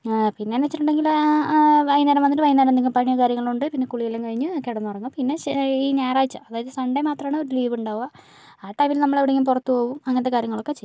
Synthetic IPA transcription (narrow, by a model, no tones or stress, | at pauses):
pinːe̞aːnʋet͡ɕːiʈːuɳɖe̞ŋɡil | ʋɐjnːɐːɾɐmʋɐniʈːɨʋɐjnːaːɾɐmnd̪eŋɡimpɐɳijɐkaːɾjɐŋːɐɭuɳɖɨpinːe̞kuɭijɐlemkɐɻiɲːɨokːeɽɐnːɨpɐrɐɲːuɡɐpinːe̞iːnaːjraːjit͡ɕːɨɐðaːjɐðɨsɐɳɖemaːt̪rɐmaːɳɨo̞ɾuliːʋuɳɖaːʋɐ | aːʈːɐjmilnɐmːɐɭeʋiɽeŋɡimpurɐt̪ːupo̞ːʋumɐŋɐnɐt̪ːekaːɾjɐŋːɐɭo̞kːe̞t͡ɕejː